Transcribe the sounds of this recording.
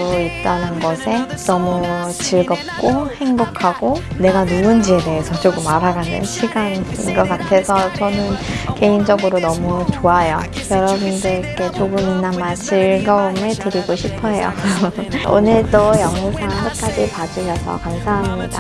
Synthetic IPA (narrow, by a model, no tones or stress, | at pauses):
oip̚t͈anɯnɡʌsʰenʌmut͡ɕiɭɡʌp̚k͈ohe̞ŋbokʰaɡ̥one̞ɡanomund͡ʑie̞de̞esʰʌt͡ɕoɡɯmaɾaɡanḛnɕʰiɡaninɡʌkatʰe̞sʰʌt͡ɕʌnɯnke̞ind͡ʑʌɡɯɾonʌmut͡ɕoajojʌɾʌbundɯɾk͈e̞t͡ɕoɡɯminːanmaɭt͡ɕiɭɡʌumetɯɾiɡoɕʰipʰʌɦe̞jo̰ | o̰nɯɭtojʌŋusʰaŋkɯt̚k͈ad͡ʑipad͡ʑuɕʰʌsʰʌ̰kansʰaŋɦaamɲida̰